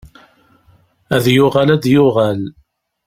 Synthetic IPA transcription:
æðjʊʁalæd̪jʊʁal

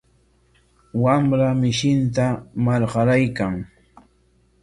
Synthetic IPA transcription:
wamɾamɪʃɪnt̪̬amaɾɢɑɾajkaŋ

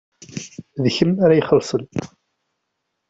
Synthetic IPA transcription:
ðçəmaɾajəχəlsˤən

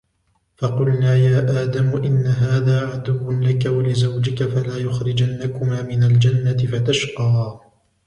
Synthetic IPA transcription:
fɑqʊlnaːjaːʔaːd̪amʊʔɪnːaɦaːðaːʕad̪ʊwːʊnlakawalɪzawd͡ʒɪkafalaːjʊxɾɪd͡ʒanːakʊmaːmɪnald͡ʒanːat̪ɪfat̪aʃqɑː

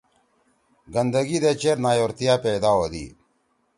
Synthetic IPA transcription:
ɡɐnd̪əɡid̪et͡ɕeɾnaːjoːɾt̪ijaːpeːd̪aːod̪ḭ

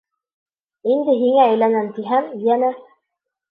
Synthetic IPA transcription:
ind̪ɘɦiŋæːjlænæmt̪iɦæmjænæ

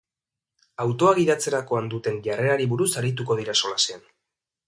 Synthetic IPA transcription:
awt̪o̞aɣiðat͡se̞ɾako̞and̪ut̪e̞nʎare̞aɾiβuɾusaɾit̪̬uko̞ð̞iɾaso̞lasean

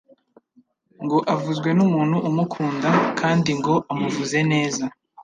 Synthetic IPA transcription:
ŋɡo̞ʔavuzɡwe̞numuːnhuʔumukʰuːndakʰaːndiŋɡo̞ʔamuvuze̞ne̞ːza

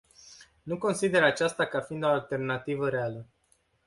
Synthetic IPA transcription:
nuko̞nsid̪e̞ɾat͡ʃast̪akafind̪o̞alt̪e̞rnat̪ivəɾe̞alə

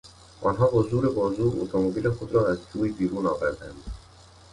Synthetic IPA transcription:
ʔɒːnɦɒːɦozuːɾe̞bɒːzuːʔo̰t̪ʰomobiːle̞xod̪ɾɒːæzd͡ʒuːibiːɾuːnɒːvæɾd̪æ̰nd̪̥

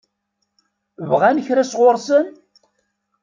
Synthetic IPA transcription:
vʁænəçɾæsʁʊɾˤsən

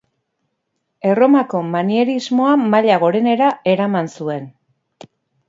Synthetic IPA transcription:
e̞ro̞mako̞manieɾizmo̞amaʎaɣ̞o̞ɾe̞ne̞ɾae̞ɾamansue̞n

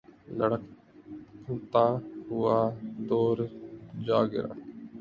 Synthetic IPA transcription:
ləɽək | pʰəːt̪aːɦʊaːd̪oːɾd͡ʒaːɡɪ̰ɾa̰ː

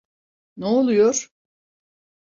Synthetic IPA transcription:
neolˠujoɾ̥

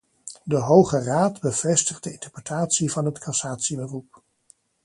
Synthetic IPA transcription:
dəɦowχəraːdbəv̥ɛstəχdəɪntəɹprətʰaːtsivɑnɦətkʰɑsaːtsibərup̚

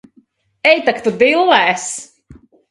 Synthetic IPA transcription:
ɛjt̪akt̪ud̪ilˠːɛːs

